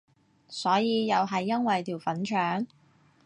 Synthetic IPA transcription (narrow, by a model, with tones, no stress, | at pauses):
sɔː˨˥jiː˨˧jɐ˨wɦɐ˨jːɐ˥nwɐ˨jt̪ʰiː˨˩wfɐ˨˥nt͡ʃʰœː˨˥ŋ